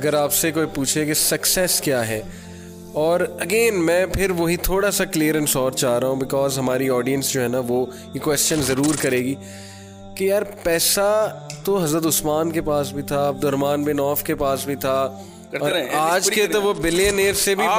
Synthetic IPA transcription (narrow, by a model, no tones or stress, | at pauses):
ɐɡəɾaːpsekoːipuːt͡ʃʰekesɐksɛskjaːɦɛː | ɔːɾɐɡeːnmɛ̃ːpʰɪɾʋoɦit̪ʰoːɽasakliːəɾɛ̃nsɔːɾtt͡ʃaːɾɐɦũbɪkɔːzɦɐmaːɾiɔːɖijə̃nsd͡ʒoːɦɛnaʋo | ikwɛst͡ʃənzɐɾuːɾkɐɾeːɡiː | kejaːɾpɛːsat̪oɦɐzɾət̪̬ʊsmaːnkepaːsbʱit̪ʰaɐb̚d̪ʊɾmaːnbɪnɔːfkepaːsbʱit̪ʰa | ɔːɾaːd͡ʒket̪oʋobɪleneːɾsebʱi